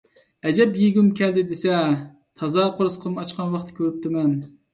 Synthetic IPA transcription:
ɛd͡ʒɛpjeɡʲymkʲʰɛld̪ɪd̪esɛ | t̪ʰɑzɑqʰoɾɨsqʰəmɑt͡ʃqʰɑnwɑχt̪ʰɪ̥kʲʰøɾyp̚t̪ʰɪmɛn

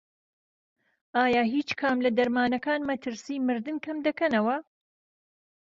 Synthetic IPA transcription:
ʔaːjaːɦiːt͡ʃkʰaːmlɐd̪ɐɾmaːnɐkaːnmɐt̪ʰɨɾsiːmɨɾd̪ɨnkʰɐmd̪ɐkɐnɐwɐ

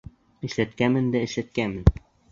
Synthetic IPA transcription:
ɘ̆ʃlæt̪kæmɘnd̪æɘ̆ʃlæt̪̚kænmɘn

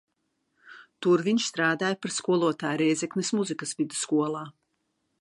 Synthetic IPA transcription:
t̪uɾviɲʃst̪ɾaːd̪aːjpaɾskuɔlˠuɔt̪aːjɾɛjzʲɛknismuzikɐsvid̪u̥skuɔlˠaː

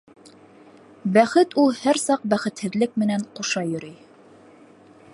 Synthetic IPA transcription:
bæχɘt̪ulˠhæɾsɑq̚bæχɘ̆t̪hɘ̆ðlɘk̚mɘ̆næɴquʃɑjɵ̆ɾɵj

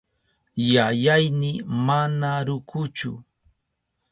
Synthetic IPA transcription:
jajajnɪmanaɾʊkʰʊt͡ʃʊ̰

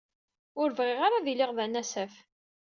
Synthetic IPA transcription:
ʊɾvʁɪʁaɾaðilɪʁðænæsæf

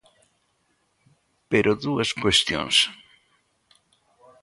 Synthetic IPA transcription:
peɾʔoðuɐskwest̪jõ̰ŋs

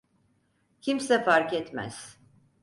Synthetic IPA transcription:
cʰimsɛfaɾkɛt̪mæ̰z̥

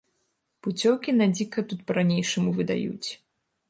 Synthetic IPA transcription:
put͡sʲɔwkʲinad͡zʲikɐt̪ut̪̚pɐɾanʲejʂɐmuvɨd̪a̰jṵt͡sʲ

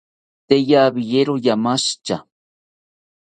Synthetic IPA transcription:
t̪ejabɪjeɾojamaʃt͡ʃa

